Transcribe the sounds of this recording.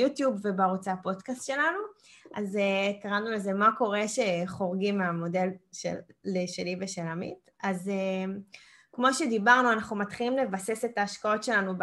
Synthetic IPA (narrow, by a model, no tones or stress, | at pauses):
jut̪jubve̞baʁut͡sapo̞dkast̪ʃe̞lanuʔazekaʁanule̞ze̞mako̞ʁe̞ʃe̞χo̞ʁɡimeamo̞de̞lʃḛlːeʃeliveʃelamḭt | aze | kmo̞ʃe̞d̪ibaʁnuanaχnumatχilimle̞vase̞setaːʃkao̞tʃe̞lanub